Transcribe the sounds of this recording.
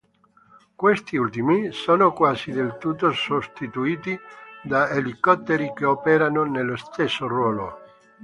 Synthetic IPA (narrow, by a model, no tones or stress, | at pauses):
kwest̪iult̪imisoːnokwaːzid̪elt̪ut̪ːosost̪it̪uiːt̪id̪aelikɔt̪ːeɾikeɔːpɛɾanonelːost̪esːorwɔːlo̰